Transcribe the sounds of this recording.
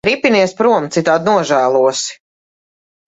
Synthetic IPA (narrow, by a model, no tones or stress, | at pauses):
ɾipʲiniɛspɾuɔmt̪sit̪aːd̪̚nuɔʒæːlˠuɔsi̥